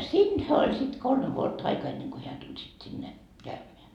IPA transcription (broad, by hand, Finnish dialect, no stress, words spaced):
siːnd̥hæ olʲ sit kolme ʋuotːɑ ɑikɑː enːeŋ ko heæ tulʲ sit sinːe kæymeæ